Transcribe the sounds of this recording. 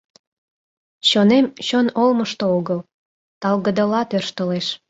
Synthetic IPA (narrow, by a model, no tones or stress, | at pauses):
ɕonemɕonolməʃt̪ooɣəl | t̪ɑlɣə̆d̪əlɑt̪ørʃt̪əleʃ